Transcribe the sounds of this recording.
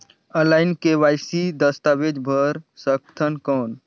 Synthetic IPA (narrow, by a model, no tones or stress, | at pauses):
ə̃laɪnkeʋajsid̪əst̪aʋed͡ʒbʱəɾsəkt̪ʰənkɔːn